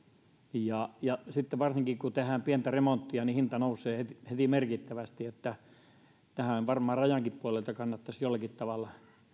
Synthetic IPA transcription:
jɑjɑsit̪ːeʋɑrsiŋkikkut̪ehæːmpient̪æremont̪ːiɑnihint̪ɑnousˑeːhet̪ihet̪imerkit̪ːæʋæst̪iet̪ːæ | t̪æhæonʋɑrmɑːrɑjɑŋkippuolelt̪ɑkɑnːɑt̪ːɑsjolːɑkit̪t̪ɑʋɑlːɑ

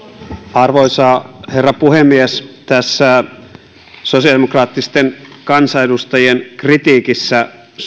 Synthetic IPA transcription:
ɑrʋoisɑːherːɑpuhemːiest̪æsːæ | sosiɑdemokrɑːt̪ːist̪enkɑnsɑedust̪ɑjienkrit̪iːkisːæ

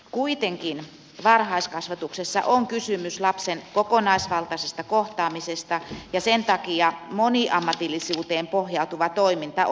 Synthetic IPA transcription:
kuit̪eŋkin | ʋɑrhɑiskɑsʋɑt̪uksesːɑ̰ʔoŋkysymyslɑpsenkokonɑisʋɑlt̪ɑsest̪ɑkoht̪ɑːmisest̪ɑjɑsent̪ɑkiɑmoniʔɑmːɑt̪ilːisuːt̪eːmpohjɑut̪uʋɑt̪oimint̪ɑ

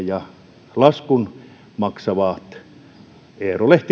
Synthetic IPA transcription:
jɑ | lɑskun | mɑksɑʋɑːt̪ | eːroleht̪i

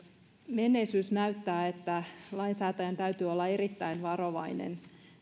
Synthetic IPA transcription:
menːeisysnæyt̪ːæːet̪ːælɑinsæːt̪æjɑnt̪æyt̪yːolːɑerit̪ːæinʋɑro̞ʋɑinḛn

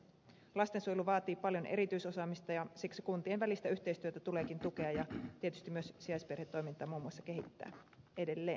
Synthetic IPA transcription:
lɑst̪e̞nsujluʋɑːt̪iːpɑljo̞nʔe̞̰ɾit̪yjso̞sɑːmist̪ɑjɑsiksikunt̪ienʋælist̪æyçt̪ejst̪yøt̪æt̪uleːkint̪uke̞ɑjɑt̪iet̪yst̪imyøssiɑjsperhet̪ːo̞jmint̪ɑːmuːmːuoɑsːɑke̞ɦit̪ːæ̰ː | e̞de̞lːe̞ːn

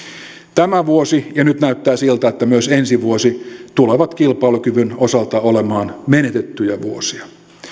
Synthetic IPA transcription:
t̪æmæʋuosijɑnyt̪næyt̪ːæːsilt̪æet̪ːæmyøsensiʋuosit̪uleʋɑt̪kilpɑilukyʋynosɑlt̪ɑolemɑːnmenet̪et̪ːyjæʋuosiɑ

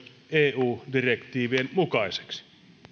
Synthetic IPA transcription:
eːuːdirekt̪ˑiːʋienmukɑise̥ksi̥

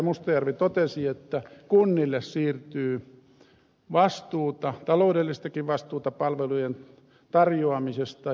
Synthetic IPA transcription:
must̪ɑjɑrʋit̪ot̪esiet̪ːækunːilːessiːrt̪yː | ʋɑst̪uːt̪ɑt̪ɑloudelːist̪ɑkiʋʋɑst̪uːt̪ɑpɑlʋelujen | t̪ɑrjoɑmisest̪ɑ

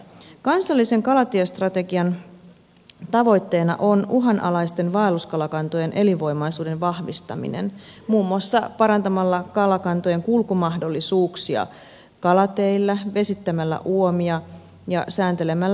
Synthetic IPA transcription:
kɑnsɑlːise̞ŋkɑlɑt̪iest̪rɑt̪e̞ɡiɑn | t̪ɑʋo̞jt̪ːe̞ːnɑ̰ʔo̞nuɦɑnʔɑlɑjst̪e̞nʋɑːluskɑlɑkɑnt̪oje̞nʔeliʋo̞jmɑjsuːde̞nʋɑhʋist̪ɑ̰mḭnḛnmuːmːuɑsːɑpɑɾɑnt̪ɑmɑlːɑkɑlɑkɑnt̪oje̞ŋkulkumɑɦdo̞lːisuːksiɑ̰ | kɑlɑt̪eilːæʋe̞sit̪ːæmælːæ̰ʔuo̞miɑ | jɑ̰sæːnt̪e̞le̞mælːæ

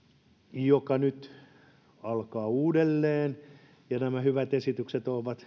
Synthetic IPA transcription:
jokɑnyt̪ | ɑlkɑːuːdelːeːn | jɑnæmæhyʋæt̪esit̪ykset̪oːʋɑt̪

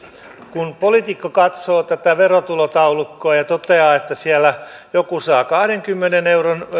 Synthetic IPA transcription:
kunpolit̪ikːokɑt̪soːt̪æt̪æʋerot̪ulot̪ɑulukːoɑjɑt̪ot̪eɑːet̪ːæsiælːæ | jokusɑːkɑhɾeŋkymːeneneuron

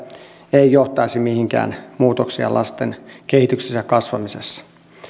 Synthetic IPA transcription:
eijoht̪ɑisimihiŋkæ̰ːnmuːt̪oksiɑ̰lʔɑ̰st̪enkehit̪yksesːækɑsʋɑmisesːɑ̥

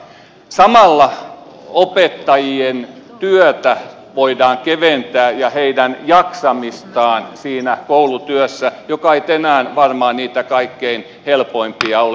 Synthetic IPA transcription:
sɑmɑlːɑ | opet̪ːɑjient̪yøt̪æ | ʋoidɑːŋkeʋent̪æːjɑheidænjɑksɑmist̪ɑːnsiːnækoulut̪yøsːæjokɑeit̪enæːnʋɑrmɑːniːt̪ækɑikːein | helpoimpiɑo

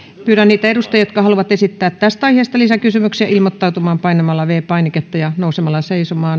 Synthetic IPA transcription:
pyːɾænniːt̪æedust̪ejɑjot̪̚kɑhɑluʋɑt̪esit̪ːæːt̪t̪æst̪ɑiheˑːst̪ɑlisækysymyksiæilmot̪ːɑut̪umɑːmpɑinemɑlːɑʋeːpɑiniket̪ːɑjɑnousemɑlːɑseisomɑːn

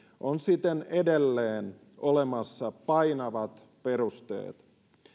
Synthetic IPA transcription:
ʔonsit̪enedelːeːn | olemɑsːɑpɑinɑʋɑt̪ | perust̪ḛːt̪

